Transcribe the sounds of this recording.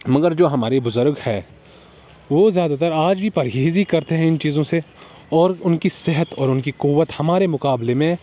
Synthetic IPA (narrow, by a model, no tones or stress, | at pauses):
mɐɡəɾd͡ʒoːɦɐmaːɾebʊzʊɾɡhɛː | ʋoːzjaːd̪at̪əɾaːd͡ʒbʱipɐɾɦeːzikɐɾt̪eɦɛ̃ɪnt͡ʃiːzõse | ɔːɾʊnkisɪɦət̪ɔːɾʊnkiquʋət̪hɐmaːɾemʊkaːblemẽ